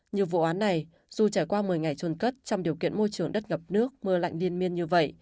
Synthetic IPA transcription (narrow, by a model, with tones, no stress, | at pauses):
ɲɨ˨˩əvṵ˧˨ʔaː˨˦nːa˨˩j | z̥u˨˩t͡ɕaː˧˩jkwaː˧mɨ˨˩əjŋa˨˩jt͡ɕu˧˩nkə˦˥t̚t͡ɕɔ˧wŋ͡mɗi˨˩əkḭ˧˨ənmo˧jt͡ɕɨ˨˩əŋɗə˦˥t̚ŋə˨˩p̚nɨ˦˥ək̚mɨ˧əla̰˧˨jŋ̟li˧ənmi˧ənɲɨ˧və̰˧˨jʔ